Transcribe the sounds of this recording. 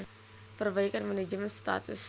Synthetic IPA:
pərbaikanmaned͡ʒəmɛnst̪a̰t̪ṵs

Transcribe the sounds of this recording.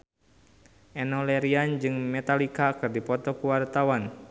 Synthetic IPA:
ʔɛnɔlɛɾiand͡ʒɨŋmɛt̪alikakɨrdipɔt̪ɔkuwart̪awan

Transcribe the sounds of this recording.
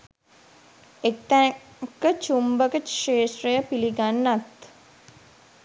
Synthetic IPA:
ek̚t̪ækət͡ʃumbəkəʂeːʃɾəjəpiliɡanːat̪

